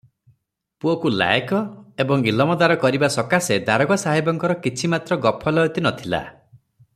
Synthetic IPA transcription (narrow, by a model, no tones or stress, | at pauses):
puokula̰jkɔebɔŋilɔmɔd̪aɾɔkɔɾibasɔkased̪aɾɔɡɔsaɦibɔŋkɔɾɔkit͡ʃʰimat̪ɾɔɡɔpʰɔlɔut̪inɔt̪ʰila̰